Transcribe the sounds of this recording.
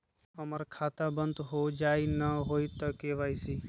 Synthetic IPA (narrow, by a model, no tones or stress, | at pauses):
əməɾkʰaːt̪abə̃nd̪ɦod͡ʒaːinəɦoːit̪əkeʋaːisiː